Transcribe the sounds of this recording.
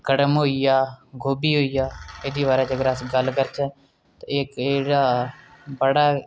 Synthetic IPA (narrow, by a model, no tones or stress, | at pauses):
ɡ̥əɽəmɦoːijaːɡʱoːbiːɦoːijaːed̪iːʋaːɾad͡ʒəɡɾaːsɡəlkəɾt͡ʃʰə | t̪oeːkeɽaː | bəɽaː